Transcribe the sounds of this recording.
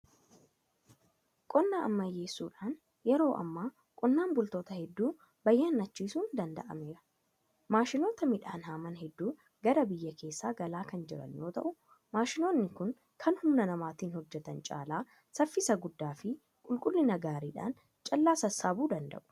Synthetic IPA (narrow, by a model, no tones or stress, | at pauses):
kʼɔnːaːɐmːɐjːe̞ːsːuːᶑaːn | jɛɾo̞ːʔɐ̰mːaː | kʼɔnːaːnbʊlt̪o̞ːt̪ɐhɛd̪ːuː | bɐjːaːnːɐt͡ʃːiːsuːnd̪ɐnd̪ɐ̰ʔɐ̰meːɾɐ | maːʃɪno̞ːt̪ɐmɪᶑaːnhaːmɐnhɛd̪ːuː | ɡɐɾɐbɪjːɐkʰe̞ːsːaːɡɐlaːkɐnd͡ʒɪɾɐ̰njo̞ːt̪ɐ̰ʔʊ | maːʃɪno̞ːnːɪkʊŋ | kʰɐnhʊmnɐnɐmaːt̪iːnhɔd͡ʒːɛt̪ɐnt͡ʃʼa̰ːlaː | sɐfːɪsɐɡʊd̪ːaːfɪ | kʼʊlkʼʊlːɪnɐɡaːɾiːᶑa̰ːn | t͡ʃʼɐlːaːsɐsːaːbuːd̪ɐnd̪ɐ̰ʔʊ̥